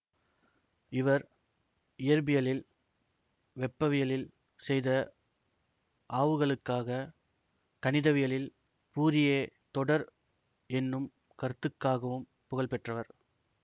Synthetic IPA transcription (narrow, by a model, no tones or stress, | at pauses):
ɪʋɐɾ | ɪjɐɾbɪjɐlɪl | ʋɛpːɐʋɪjɐlɪl | sɛjðɐ | ʔaːʋɯɣɐɭɯkːaːɣɐ | kɐnɪðɐʋɪjɐlɪl | puːɾɪjet̪ɔɽɐɾ | ɛnːɯm | kɐɾt̪ːɯkːaːɣɐʋɯm | pʊɣɐɭlpɛʈrɐʋɐɾ